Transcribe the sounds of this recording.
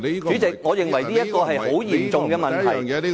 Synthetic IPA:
yː˨˥t͡sɪ˨k̚ŋɔː˨˧jɪ˨ŋwɐ˨˩jniː˥jɐ˥t̚kɔː˧ɦɐ˨jho˨˥wjiː˨˩mt͡sʊ˨ŋkɛː˧mɐ˨nt̪ʰɐ˨˩j

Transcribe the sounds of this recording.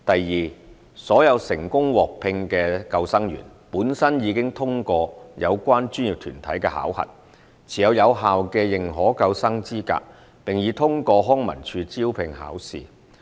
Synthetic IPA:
t̪ɐ˨jːiː˨ | sɔː˨˥jɐ˨˧wsɪ˨˩ŋkʊ˥ŋwɔː˨k̚pʰɪ˧ŋkɛː˧kɐ˧wsɐ˥ŋjy̰˨˩n | puː˨˥nsɐ˥njiː˨˧kɪ˥ŋt̪ʰʊ˥ŋkɔː˧jɐ˨˧wkʷaː˥nt͡ʃyː˥njiː˨˩p̚t̪ʰy̰ː˨˩nt̪ʰɐ˨˥jkɛː˧ha̰ː˨˥whɐ̰˨˩t̚ | t͡sʰiː˨jɐ˨˧wjɐ˨˧wɦaː˨wkɛː˧jɪ˨˩ŋɦɔː˨˥kɐ˧wsɐ˥ŋt͡siː˥ka̰ː˧k̚ | pɪ˨˩ŋjiː˨˧t̪ʰʊ˥ŋkɔː˧ɦɔː˥ŋmɐ˨˩nt͡ʃʰyː˧t͡siː˥wpʰɪ˨ŋha̰ː˨˥wsḭː˨

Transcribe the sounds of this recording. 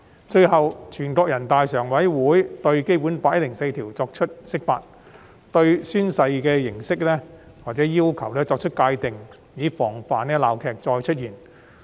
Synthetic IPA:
t͡ʃɵ˧ɥhɐ˨wt͡ʃʰyː˨˩nkɔː˧k̚jɐ˨˩nt̪aː˨jsœː˨˩ŋwɐ˨˥jwuː˨˥jt̪ɵ˧ɥke˥jpuː˨˥npaː˧t̚jɐ˥t̚lɪ˨˩ŋse˧jt̪ʰiː˨˩wt͡sɔː˧k̚t͡ʃʰɵ˥t̚sɪ˥k̚faː˧t̚ | t̪ɵ˧ɥsyː˥nsɐ˧jkɛː˧jɪ˨˩ŋsɪ˥k̚lɛː˥ | waː˨t̚t͡sɛː˨˥jiː˥wkʰɐ˨˩wlɛː˥t͡sɔː˧k̚t͡ʃʰɵ˥t̚kaː˧jt̪ɪ˨ŋ | jiː˨fɔː˨˩ŋfaː˨nɛː˥laː˨wkʰɛː˨˧k̚t͡sɔː˧jt͡ʃʰɵ˥t̚jiː˨˩n

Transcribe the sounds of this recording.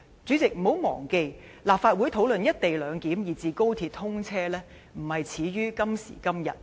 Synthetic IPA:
t͡sy˨˥t͡sɪ˨k̚m̩˨˩ho˨˥wmɔ̰ː˨˩ŋke˧j | laː˨pfaː˧t̚wu˨˥jt̪ʰo˨˥wlɵ˨njɐ˥t̚t̪e˨jlœː˨˧ŋkiː˨˥mjiː˨˩t͡siː˨˧ko˥wt̪ʰiː˧t̪̚hʊ˥ŋt͡sʰɛː˥lɛː˥ | m̩˨˩hɐ˨jt͡sʰiː˨˧ɥyː˥kɐ˥msḭː˨˩kɐ˥mjɐ̰˨t̚

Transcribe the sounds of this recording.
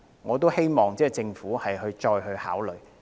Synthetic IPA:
ŋɔː˨˧t̪o˥whe˥jmɔː˨˩ŋt͡sɛː˥˩t͡sɪ˧ŋfuː˨˥hɐ˨jhɵ˧ɥt͡ʃɔː˧jhɵ˧ɥhaː˨˥wlɵ˨˩ɥ

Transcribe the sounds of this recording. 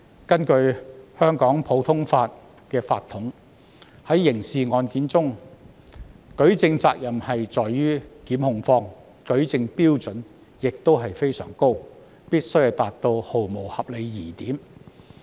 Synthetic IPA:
kɐ˥nkɵ˧ɥhœː˥ŋkɔː˨˥ŋpʰo˨˥wt̪ʰʊ˥ŋfaː˧t̚ | kɛː˧fa̰ː˧t̪ʰːʊ˨˥ŋ | hɐ˨˥jːɪ˨˩ŋsiː˨ŋɔː˨˧nkiː˨˥nt͡sʊ˥ŋ | kɵ˨˥ɥt͡sɪ˧ŋt͡saː˧k̚jɐ˨˩mhɐ˨jt͡sɔː˨jːyː˥kiː˨˥mhʊ˧ŋfɔː˧ŋ | kɵ˨˥ɥt͡sɪ˧ŋpiː˥wt͡sɵ˨˥n | jɪ˨k̚t̪o˥wɦɐ˨jfe˥jsœ̰ː˨˩ŋko˥w | piː˥t̚sɵ˥ɥjt̪aː˨t̪o˧who˨wmo˨˩whɐ˨p̚le˨˧jjiː˨˩t̪iː˨˥m

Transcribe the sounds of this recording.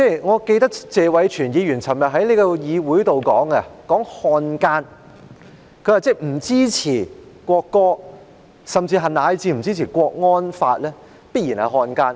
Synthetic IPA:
t͡sɛː˥˩ŋɔː˨˧ke˧jt̪ɐ˥k̚t͡sɛː˨˧wɐ˨˥jt͡ʃʰyː˨˩njiː˨˧jyː˨˩nt͡sʰɐ˨˩mjɐ˨t̚ɦɐ˨˥jnle˨˧jkɔ˧jiː˨˧wuː˨˥jt̪o˨wkɔː˨˥ŋɐ˧kɔː˨˥ŋhɔː˧nkaː˥n | kʰɵ˨˧jaː˨˧t͡sɛː˥˩m̩˨˩t͡siː˥t͡sʰiː˨˩kʷɔː˧kːɔː˥ | sɐ˨mt͡siː˧ɦɐ˨naː˨˧jt͡siː˧m̩˨˩t͡siː˥t͡sʰiː˨˩kʷɔː˧k̚ŋɔː˥nfaː˧t̚lɛː˥ | piː˥t̚iː˨˩nhɐ˨jɦɔː˧nkaː˥n

